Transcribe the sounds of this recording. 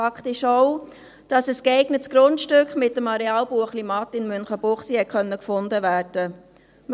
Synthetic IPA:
ɑkχtɪʃoʊ | d̥ɑsəskɛɪɡnətsɡ̥ɾʊntʃtʏkχmɪtːəmɑɾɛɑːlbuəχlimɑt̪ɪnmʏnχəbʊχsihɛt̚kʰœnːəkfʊndəvæːrd̥ə | m

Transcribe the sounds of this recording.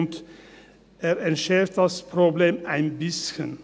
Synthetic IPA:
nt̪ | æːɾæɪnʃæːɾt̪ɑspʰɾʊbleːmæɪnbɪsçən

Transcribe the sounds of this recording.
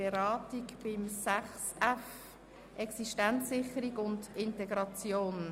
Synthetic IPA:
eɾɑːtikb̥ɪmsæχsɛf | ʔɛksiʃtant͡sːɪχəɾiɡʊndɪntɛɡɾɑt͡sjoːn

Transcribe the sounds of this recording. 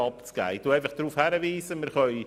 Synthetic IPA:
ɑpt͡sɡ̥æ̰ːɪt̪uːæɪfɑχd̥ɾuːfhæɾəviːzəmɪɾχœʏ

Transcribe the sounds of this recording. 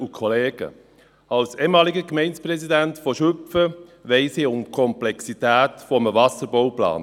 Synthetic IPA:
ukʰɔleːɡ̥ə̰ | alseːmɑːlɪɡəkmɛɪnspʁɛzidɛntfɔʃʏfəvɛɪseːʊmkʰɔmplɛksitɛːtfɔməvɑsəɾbɔʊplɑ̰ːn

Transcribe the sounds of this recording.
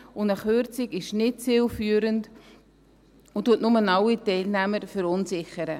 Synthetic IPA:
ʊnəχøɾt͡sɪkɪʃnɪt̚t͡sɪlfyːɾənd | ʊntuətnʊmənɑwitɛɪlnæməɾfʏɾʊnsɪχəɾə

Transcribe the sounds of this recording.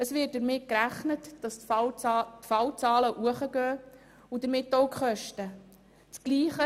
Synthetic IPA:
əsʋɪːt̚d̥əɾmɪt̚kɾæχnətd̥ɑs | tfɑwt͡sɑːləʔuəχəɡøː | udəɾmɪtːoʊkχœʃtə | t͡sɡ̥liːχə

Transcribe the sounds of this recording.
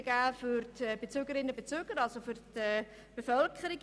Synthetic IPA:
ɡ̥æːfʏrtɛb̥et͡søɡəɾɪnːəbet͡søːɡ̥əɾɑlsofʏrtɛː | b̥efœlkʰχəɾiɡ

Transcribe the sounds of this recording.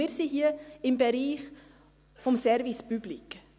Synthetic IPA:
isiːɦiəimbəɾiːχ | fɔmsɛrvispyblik

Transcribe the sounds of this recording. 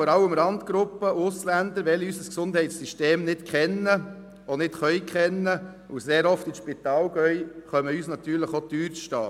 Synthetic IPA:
ɔɾɑləmɾɑndɡ̥ɾʊpːəʔʊslænd̪əɾʋɛlysəsksʊnd̥hɛɪtsyʃteːmnɪtkʰχɛnə | onɪtχœʏkχɛnːə | ʊseːɾɔftiʃpit̪ɑːlɡœʏχœməyːsnɑt̪yːɾləχot̪yːɾʃtɑ̰ː

